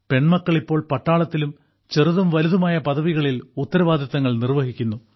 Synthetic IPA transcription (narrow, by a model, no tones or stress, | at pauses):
pe̞ɳmɐkːɐɭipːo̞ːɭpɐʈːaːɭɐt̪ːilum | t͡ɕeruðumʋɐluðumaːjɐpɐðɐʋiɣɐɭilut̪ːɐɾɐʋaːd̪ʱɐt̪ːɐŋːɐɭnirʋɐɦikʲːunːu